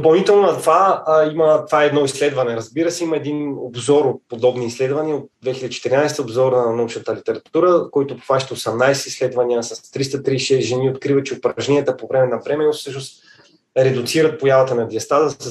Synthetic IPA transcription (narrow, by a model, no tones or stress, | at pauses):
d̪opɐlˠnit̪ɛlˠnonɐt̪vaimət̪vaɛd̪nɔislɛd̪vɐnɛɾɐzbiɾəsɛiməɛd̪inobzɔɾopod̪ɔbniːslɛd̪vɐniəot̪̚d̪vɛxilʲɛd̪it͡ʃɛt̪iɾinajst̪əobzɔɾnɐnɐut͡ʃnət̪əlit̪ɛɾɐt̪uɾəkɔit̪ʊpo̥vaʃt̪ɛosɛmnajsɛislɛd̪vɐniəsɐst̪ɾist̪ət̪ɾiːʃɛsʒɛniot̪kɾivət͡ʃɛopɾɐʒɛnijət̪əpovɾɛmɛnɐvɾɛmɛofsɤʃnost̪ | ɾɛd̪ʊt̪siɾət̪̚pojavɐt̪ənɐd̪iɐst̪azəsɛ